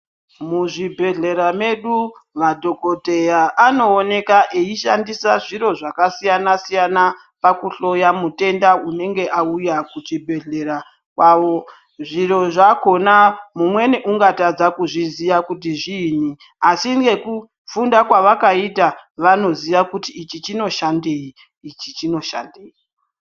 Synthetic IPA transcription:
muʐibʱe̞ɮe̞ɾame̞ɗumadʱo̞ko̞te̞jaʔano̞ːne̞kaʔeiʃandisaʐiɾo̞ʐakasijanasijana | pakuɬo̞jamute̞ndaune̞ŋɡe̞ʔaujakut͡ʃibʱe̞ɮe̞ɾa | kwaʋo̞ | ʐiɾo̞ʐako̞namumwe̞neʔuŋɡatad͡zakuʐizijakut̬iʐiːn̤i | asiŋɡe̞ku | fundakwaʋakaitaʋano̞ziʋakutiːt͡ʃit͡ʃino̞ʃandeiː | t͡ʃit͡ʃino̞ʃa̰ndeːi

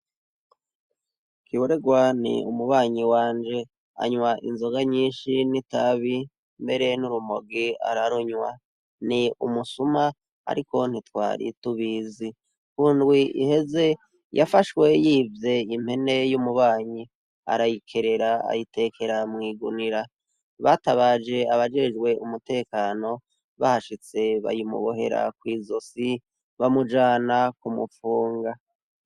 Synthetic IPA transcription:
kiβoɾe̞ɡwanḭumuβaːɲiwaːnd͡ʒe̞ | a̰ɲwaʔḭnzo̞ɡaɲiːnʃinitaβi | mbe̞ɾe̞nuɾumoɡia̰ɾaɾoɲwa | niumusuma | a̰ɾiko̞n̥itwa̰ːɾḭtuβiːzi | kuːndɡwiḭhe̞ze̞ | jʔafaʃwe̞jivje̞im̥he̞ne̞jumuβaːɲi | a̰ɾajikʰe̞ɾe̞ɾaa̰jitʰe̞ːkʰe̞ɾamŋiːɡṵniɾa | βataβaːd͡ʒe̞aβad͡ʒe̞d͡ʒɡwe̞umute̞ːkaːno̞ | βahaʃit͡se̞βa̰jimṵβoɦe̞̰ɾa̰k̚wiːzo̞si | βamud͡ʒaːnakumufuːŋɡa

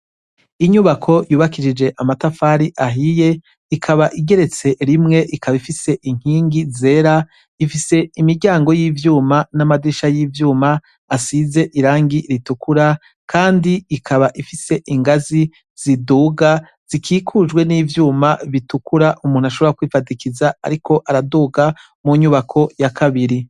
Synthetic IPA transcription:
iɲuβakʰo̞juːβakiʃid͡ʒe̞ʔamatafaːɾiʔaɦije̞ | ikʰaβaʔiɡe̞ɾe̞t͡se̞ɾimŋe̞ʔikaβaifise̞ʔiŋ̥hiːŋɡize̞ːɾa | ifise̞imiɾɟaːŋɡo̞jiːvjuːmanamadiʃajiːvjuːmaː | size̞ʔiɾaːŋɡiɾitukuɾa | kʰaːndiikʰaβaʔifise̞ʔiŋɡazi | z̥iduɡa | z̥ikʰiːkʰud͡ʒɡwe̞niːvjuːmaβitukuɾaʔumuːn̥uaʃo̞βoɾakwiːfatikizaa̰ɾikʰo̞ʔaɾaduːɡa | muɲuβakʰo̞jakʰaβiɾi

